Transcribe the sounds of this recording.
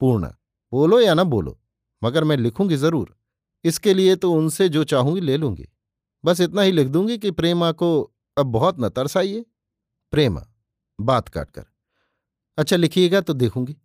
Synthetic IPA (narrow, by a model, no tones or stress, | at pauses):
puːɾɳa̰ | boːlojanɐbo̰ːlo̰ | mɐɡəɾmɛ̃ːlɪkʰũːŋɡizɐɾuːɾ | ɪskeliet̪oʊnsed͡ʒoːt͡ʃaːɦũːɡileːlũːŋɡḭː | bɐs̬ɪt̪naɦilɪkʰd̪ũːŋɡik̬ipɾeːmako | ɐb̚ːɔɦɔt̪nɐt̪ɐɾsaːieː | pɾeːma̰ | baːt̪ka̰ːʈ̚kə̰ɾ | ɐtːʃʰalɪkʰieːɡat̪od̪eːkʰũːŋɡiː